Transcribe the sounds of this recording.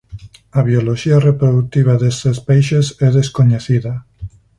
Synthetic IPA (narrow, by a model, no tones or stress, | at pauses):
aβioloʃiarepɾoðut̪iβ̞aðest̪espejʃesɛðeskoɲeθiðɐ